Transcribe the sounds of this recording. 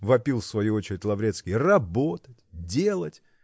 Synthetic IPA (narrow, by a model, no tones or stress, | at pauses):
vɐpʲilˠfsvɐjuot͡ɕɪɾʲɪtʲlˠɐvɾʲet̪skʲɪjərɐbot̪ətʲdʲe̞lˠətʲ